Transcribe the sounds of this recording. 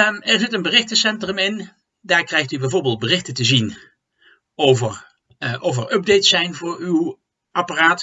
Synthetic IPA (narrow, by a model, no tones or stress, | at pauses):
mɛɹzɪtənbərɪχtəsɛntrəmɪn | daːɹkrɛjχtybɛjvʊːɹbɪːlˠd̚bərɪχtəntəzin | owvər | ʔɔfəɹʔɵb̚dejtsɛjnvʊːɹyw | ʔɑparaːt